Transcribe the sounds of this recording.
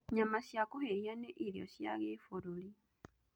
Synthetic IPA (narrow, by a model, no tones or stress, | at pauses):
ɲamasjakuheijaneʔiljo̰sja̰ɣefoɾuli